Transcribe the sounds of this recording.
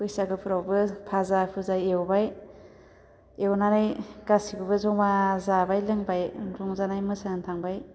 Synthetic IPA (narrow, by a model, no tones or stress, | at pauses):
ɯjsaɡɯpʰuɾawbɯpʰazapʰɯzajewbaj | ewnanajɡasiɡubɯzɔŋmazabajlɯŋbajzɔŋzanajmɯsaŋntʰaŋbaj